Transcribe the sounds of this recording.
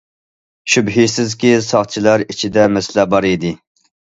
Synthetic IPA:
ʃybɦisɪzkʲisɑχt͡ʃʰilˠɑɾit͡ʃʰid̪ɛmɛslæbɑɾid̪ɪ

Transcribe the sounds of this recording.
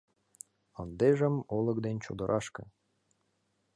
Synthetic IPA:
ə̆nd̪eʒə̆molˠɤ̆kd̪ent͡ɕo̰d̪ə̆ɾʔɑʃkɤ̆

